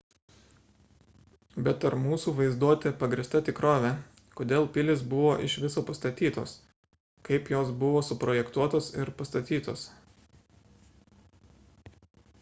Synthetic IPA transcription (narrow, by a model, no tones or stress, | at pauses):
bʲɛt̪ɐɾmuːsuːʋɐɪzd̪uɔt̪ʲɪpɐɡɾʲɪst̪ɐt̪ʲɪkɾoːʋʲɛ | koːd̪ʲeːlˠpʲɪlʲɪsbʊʋoːʔɪʃʋʲɪsoːpɐst̪ɐt̪ʲiːt̪o̰ːs | kɐɪpjoːsbʊʋoːsʊpɾɔjɛkt̪uɔt̪oːsɪɾpɐst̪ɐt̪ʲiːt̪o̰ːs